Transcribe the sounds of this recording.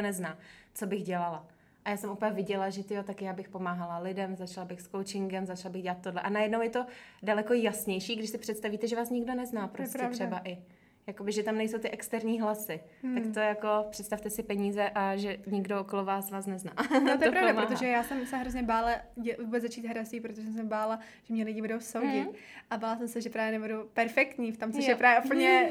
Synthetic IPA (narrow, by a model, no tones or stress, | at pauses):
nɛznaːt͡so̞bɪxɟɛlala | ʔajaːsɛmʔuːpɛvɪɟɛlaʒɛt̪ɪjot̪akjaːbɪxpo̞maːɦalalɪdɛmzat͡ʃlabɪxskowt͡ʃɪŋɡɛmzat͡ʃlabɪɣɟɛlat̪̚t̪ːodlɛʔanajɛdnowjɛt̪o̞dalɛko̞jasɲɛjʃiːɡdɪʃsɪpr̥ɛt̪st̪aviːt̪ɛʒɛvaːsɲɪɡdonɛznaːpɾoscɛɾɛbaʔɪ | jako̞bɪʒɛt̪amnɛjsowt̪ɪʔɛkst̪ɛɾɲiːɦlasɪ | t̪akt̪o̞jako̞pr̥ɛt̪st̪aft̪ɛsɪpɛɲiːzɛʔaʒɛɲɪɡdoʔokolovaːsvaːsnɛznaːot̪oɛpɾavdamɾot̪oʒɛjaːsɛmsɛɦɾozɲɛbaːlajɛvubɛzat͡ʃiːt̪ɦɾaziːpɾot̪oʒɛsɛmsɛbaːla | ʒ̥ɛmɲɛlɪɟɪbudowsowɟɪt̪ | ʔabaːlasɛmsɛʒɛpɾaːjɛnɛbudupɛɾfɛkt̪ɲiːft̪omt͡soʃjɛpɾaːvjɛʔupl̩ɲɛ